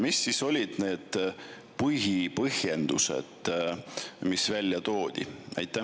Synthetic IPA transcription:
misːiso̞lʲid̪̥ne̞ːd̪̥ | pɯɦipɤhje̞nd̪̥ṵsḛd̪̥ | misvælʲːjɑt̪o̞ːd̪̥ʲḭʔɑ̰jt̪ˑːæ

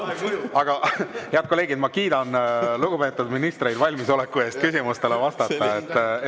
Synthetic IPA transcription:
ɑɡ̥ɑheɑd̪t̪ko̞le̞ːɡid̪̥mɑkiːd̪ɑnluɡ̥upe̞ːt̪ːˑud̪minist̪re̞jd̪vɑlʲmiso̞lekːˑue̞ːst̪̚kysʲimust̪e̞levɑst̪ɑt̪ːˑɑet̪ːˑ

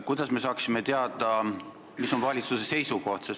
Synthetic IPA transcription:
kujd̪̥ɑsme̞s̬ɑːksime̞t̪e̞ɑd̪̥ɑ | miso̞nvɑlʲit̪suse̞se̞jsuko̞ht̪ses

